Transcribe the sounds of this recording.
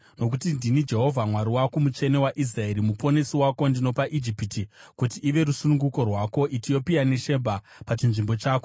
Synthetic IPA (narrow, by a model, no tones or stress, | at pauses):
no̞kutindinid͡ʒe̞ɦo̞vʱamwaɾiwakumut͡ʃe̞ne̞waʔis̬rae̞ɾimupo̞ne̞siwako̞ndino̞paʔid͡ʒipitikutiʔːʋe̞ɾusunuŋɡuko̞rwako̞ʔit͡ʃijo̞pijane̞ʃe̞bʱa | pat͡ʃinʐimbo̞t͡ʃaːko̞